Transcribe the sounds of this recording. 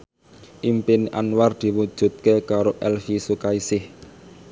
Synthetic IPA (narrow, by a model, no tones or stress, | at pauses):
ʔimpɪna̰nward̪̥i̤wud̥ʒ̥ṳt̪̚kekaɾoʔɛlfisukaisɪh